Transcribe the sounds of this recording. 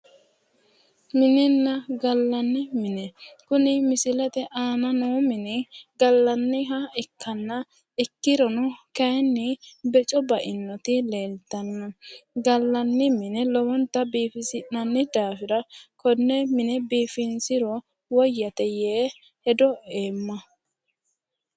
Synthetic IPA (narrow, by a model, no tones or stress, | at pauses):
mɪnɛnːɐɡɐlːɐnːɪmɪnɛkʊnɪmɪsɪlɛt̪ɛʔaːnɐnuːmɪnɛɡɐlːɐnːɪɦɐɪkːɐnːɐ | ɪkːɪɾɔnʊkɐjnːɪbɛt͡ʃʼɔbɐʔɪnːɔt̪ɪleːlt̪ːɐnːɐɡɐlːɐnːɪmɪnɛlɔwɔnt̪ːɐbiːfɪsɪnːɐnːɪd̪aːfɪɾɐkɔnːɛmɪnɛbiːfɪnsɪɾɔ | wɔjːɐt̪ɛjeː | hɛd̪ɔʔeːmːɐ